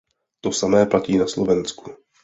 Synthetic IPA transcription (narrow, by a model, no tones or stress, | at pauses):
t̪osamɛːplaciːnaslovɛnsku